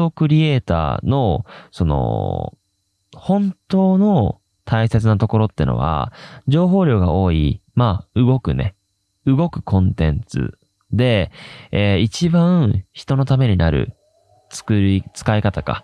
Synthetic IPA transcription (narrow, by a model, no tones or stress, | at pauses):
o̞kɯ̟ɾʲie̞ːt̪a̰ːno̞so̞no̞̰ | hõ̞nt̪o̞ːno̞ | t̪ʰaise̞t͡sɨnat̪o̞ko̞ɾo̞t̪ːḛno̞̰βa̰d͡ʑo̞ːɦo̞ːɾʲo̞ːɡao̞ːḭmaːɯ̟ɡo̞kɯ̟̰ne̞ | ɯ̟ɡo̞kɯ̟̥kʰõ̞nt̪ẽ̞̰nt͡sɨ̰ | d̪e̞eːit͡ɕibãɰ̃çi̥t̪o̞no̞t̪ame̞ɲ̟inaɾɯ̟̰ | t͡sɨ̥kɯɾit͡sɨ̥kaikat̪aka̰